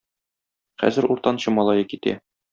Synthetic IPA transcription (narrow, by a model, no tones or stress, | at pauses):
χæ̰zɘ̆ɾuɾt̪ɑnɕɤmɒlˠɑjɤkit̪æ̰